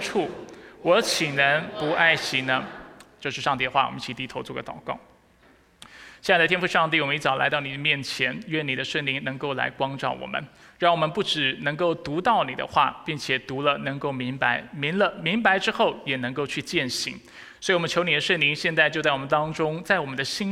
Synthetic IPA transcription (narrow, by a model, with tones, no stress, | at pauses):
ʈ͡ʂʰu˥˩wɔ˧˥t͡ɕʰi˨˩nə˧˥npu˧˥ʔa˥˩ɪɕi˧˥ŋnə˧t͡ɕjo˥˧ʊʂɻ̩˥˧ʂɑ˥˧ŋt̪i˥˩d̪ə˩xwa˥˩wɔ̰˨˩ə˦nt͡ɕʰi˧˥t̪i˧˥t̪ʰo˧˥ʊt͡swɔ˥˩ɡə̰˧t̪ɑ˨˩ʊkɑ̰˥˩ʊ | ɕjd̪ət̪ʰjɛ˥fu˥˧ʂɑ˥˧ŋt̪i˥˩wɔ˨˩m˦i˥˩t͡sɑ˨˩ʊla˧˥ɪt̪ɑ˥˩ʊni˨˩d̪ə˦mjɛ˥˩nt͡ɕʰjɛ˧˥nɥɛ˥˩ni˨˩d̪ə˦ʂwə˥˩nli˧˥ŋnɤ˧˥ŋko˥˩ʊla̰˧˥ɪkwɑ˥ŋʈ͡ʂɑ̰˥˩ʊwɔ̰˨˩mʔə̰˦n | ɻɑ˥˩ŋwɔ˨˩mə˦npu˥˩ʈ͡ʂɻ̩˨˩nɤ˧˥ŋko˥˩ʊt̪u˧˥t̪ɑ˥˩ʊni˨˩d̪ə̰˦xwa̰˥˩pi˥˩ŋt͡ɕʰjɛ˨˩t̪u˧˥lə˧nɤ˧˥ŋko˥˩ʊmi˧˥ŋpa˧˥ɪmi˧˥lə˧mi˧˥ŋpa˧˥ɪʈ͡ʂɻ̩˥xo˥˩ʊjɛ˨˩nɤ˧˥ŋko˥˧ʊt͡ɕʰy˥˧t͡ɕjɛ˥˩nɕi˧˥ŋ | swi˨˩wɔ˨˩ə˦nt͡ɕʰjo˧˥ʊni˨˩d̪ə˦ʂwə˥˩nli˧˥ŋɕjɛ˥˧nt͡sa˥˧ɪt͡ɕjo˥˧t͡sa˥˩ɪwmə˦nt̪ɑ˥ŋʈ͡ʂʊ˥ŋt͡sa˥˩ɪwɔ˨˩mə˦nd̪ə˧ɕi˥n